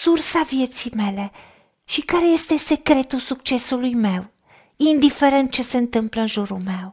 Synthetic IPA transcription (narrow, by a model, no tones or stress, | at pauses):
sursavje̞t̪sijme̞le̞ | ʃikaɾe̞je̞st̪e̞se̞kɾe̞t̪ulsuk̚t͡ʃe̞sulujme̞w | ind̪ife̞ɾe̞nt̪̚t͡ʃe̞se̞ɨnt̪ɨmpləɨnʒuɾulme̞w